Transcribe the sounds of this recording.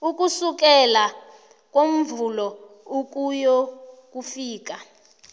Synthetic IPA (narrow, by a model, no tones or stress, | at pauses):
uk̬ʼusuk̬ɛla | k̬ʼom̩vulɔ | uk̬ʼujɔk̬ʼufiːk̬a